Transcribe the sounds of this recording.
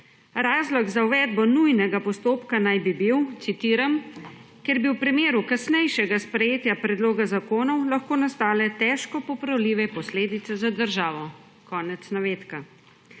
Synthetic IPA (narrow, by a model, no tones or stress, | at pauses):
ɾaːzlɔɡzawʋɛd̪bɔnujnɛɡapɔst̪oːpkanajbibiwt̪sit̪iːɾam | kɛɾbiwpɾimeːɾukasnɛjʃɛɡaspɾɛjeːt̪japɾɛd̪loːɡazakoːnɔwlaxkoːnast̪aːlɛt̪ɛːʃkɔpɔpɾawliːʋɛpɔsleːd̪it̪sɛzad̪əɾʒaːʋɔ | kɔːnɛt̪snaʋeːt̪ka